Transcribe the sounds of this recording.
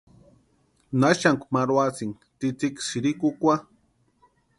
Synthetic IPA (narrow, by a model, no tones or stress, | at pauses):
naʃaŋkʷmaɾwat͡siŋ | t̪it͡siksiɾikukʷa